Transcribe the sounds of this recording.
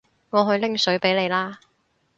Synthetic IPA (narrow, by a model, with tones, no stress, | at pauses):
ŋɔː˨˧ɦɵ˧ɥlɪ˥ŋsɵ˨˥ɥpe˨˥jle˨˧jlaː˥